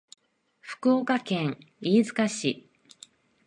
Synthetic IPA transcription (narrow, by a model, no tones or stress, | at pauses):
ɸɯ̥kɯokakẽ̞ŋ | iːzɨkaɕi